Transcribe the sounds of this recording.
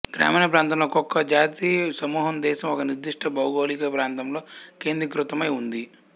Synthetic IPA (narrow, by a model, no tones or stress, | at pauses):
ɡɾa̰ːmɐːnɐpɾaːnt̪ɐmloːkɔkːɐd͡ʒaːt̪isɐmuːɦɐmd̪ɛːʃɐmɔkɐniɾd̪iʂʈɐbɐwɡoːlikɐpɾaːnt̪ɐmlo̞ːkeːnd̪ɾikɾut̪ɐmɐjund̪i